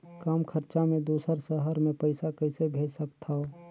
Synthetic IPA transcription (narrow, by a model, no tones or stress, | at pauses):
kaːmkʰəɾt͡ʃamẽd̪uːsəɾsəɦəɾmẽpəɪsakəɪsebʱeːd͡ʒsəkt̪ʰa